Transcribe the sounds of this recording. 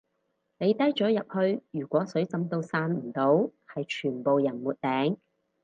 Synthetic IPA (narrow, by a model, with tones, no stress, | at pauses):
ne˨˧jt̪ɐ˥jt͡ʃɔː˨˥jɐ˨p̚hɵ˧ɥjyː˨˩kʷɔː˨˥sɵ˨˥ɥt͡sɐ˨˥mt̪o˧wsaː˧nm̩˨˩t̪o˨˥whɐ˨jt͡ʃʰyː˨˩npo˨wjɐ˨˩nmuː˨t̚t̪ɛː˨˥ŋ